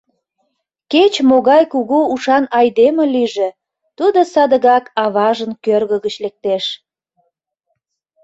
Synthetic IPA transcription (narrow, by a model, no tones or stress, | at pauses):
ket͡ɕmoɣɑjkuɣuuʃɑnɑjd̪eməliʒe | t̪ud̪osɑd̪əɣɑkɑβɑʒənkørɣəɣət͡ɕlek̚t̪eʃ